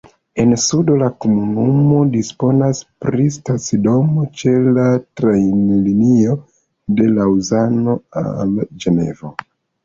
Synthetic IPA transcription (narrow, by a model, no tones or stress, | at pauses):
e̞nsudo̞lakomunumo̞dispo̞naspɾistat͡sido̞mot͡ʃe̞latɾajnlinio̞ | de̞lauzano̞a̰ld͡ʒe̞ne̞̰vo̞